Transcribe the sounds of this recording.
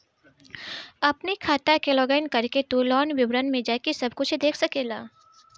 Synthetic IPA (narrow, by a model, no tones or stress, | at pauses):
ɐpnikʰaːt̪akeloːɡəɪnkɐɾket̪uːlɔːnʋɪbɾənmẽd͡ʒaːkesɐbkʊt͡ʃʰɦed̪eːkʰsɐkeːlaː